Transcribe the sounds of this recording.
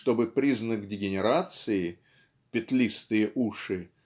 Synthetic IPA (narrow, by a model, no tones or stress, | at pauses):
t̪o̞bɨpɾʲiznəkdʲɪɡʲɪnʲɪɾat̪sɨɪ | pʲɪt̪lʲist̪ɨjəʔuʂɨ